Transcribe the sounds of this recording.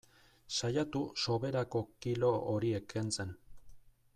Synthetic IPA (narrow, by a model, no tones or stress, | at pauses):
sajat̪uso̞βe̞ɾako̞kilo̞oɾie̞kʰent͡se̞n